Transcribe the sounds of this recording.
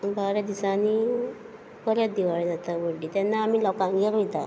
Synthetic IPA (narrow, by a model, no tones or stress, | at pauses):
baɾjad̪isani | pəɾjat̪d̪iʋaɭid͡zat̪aʋəɖit̪janːaːmiːlɔkãnɡɛlit̪a̰